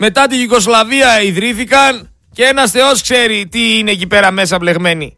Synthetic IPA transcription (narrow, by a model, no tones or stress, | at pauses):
me̞t̪ɐt̪iʝiko̞slɐviɐiðɾiθikɐn | cee̞nɐsθe̞o̞skse̞ɾit̪iine̞ːcipe̞ɾɐme̞s̬ɐple̞ɣme̞ni